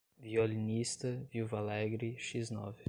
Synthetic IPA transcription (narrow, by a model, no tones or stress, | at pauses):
vjɔlʲnʲist̪əvjuvalˠaɡɾiʃiznɔ̰vʲ